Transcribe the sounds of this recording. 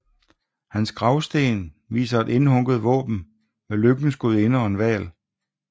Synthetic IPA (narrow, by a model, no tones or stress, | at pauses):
hænsɡ̥ʁɑ̈ʊsd̥e̝̰ːn | ʋḭːsɐæde̝nhɔ̽ŋɡ̥ð̞̩ˠʋɔ̰̽ːb̥n̩ | meløɡ̥n̩sɡ̥oð̩ˠe̝nəɒ̽enʋɛ̰ːl